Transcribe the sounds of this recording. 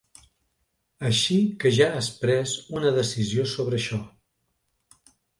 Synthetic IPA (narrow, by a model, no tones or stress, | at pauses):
əʃikəʒaəspɾɛzunəðəsiziosoβɾəːʃɔ